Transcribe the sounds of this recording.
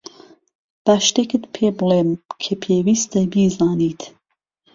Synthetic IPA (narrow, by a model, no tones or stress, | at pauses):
b̥ɑːʃt̪ekɨt̪pʰeːbɨleːnkʰɐpʰeːwiːst̪ɐbiːzɑːniːt̪ʰ